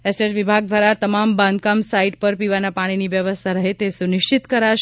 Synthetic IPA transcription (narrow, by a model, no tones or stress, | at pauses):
esʈed͡ʒʋibʱaɡ̚d̪ʋaɾat̪əmambãnd̪̚kamsaiʈpəɾpiʋanapaɽ̃iniʋjəʋəst̪ʰaɾəɦet̪esunɪʃt͡ʃit̪kəɾaʃ